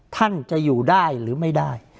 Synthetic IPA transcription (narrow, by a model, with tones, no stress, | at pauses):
t̪ʰa˥˩nt͡ɕa˨˩juː˨˩daː˥˩jɾɯː˩˦ma˥˩jdaː˥˩j